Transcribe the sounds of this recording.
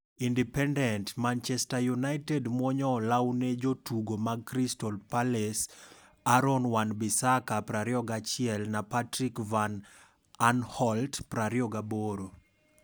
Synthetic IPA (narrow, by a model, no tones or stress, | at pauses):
indɛpɛndɛntmant͡ʃɛstajunaɪtɛdmwɔɲɔlawned͡ʒotuɡomaɡ̚kɾistɔlpalɛs | aɾɔnwanbisakapɾaɾɪɔɡat͡ʃɪɛlnapatɾikvan | anhɔltpɾaɾiɔɡaboɾo